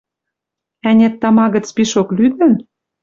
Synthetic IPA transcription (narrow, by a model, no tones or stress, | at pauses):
ænʲet̪ːɑmɑɣə̆t͡spiʃoklyd̪ə̆n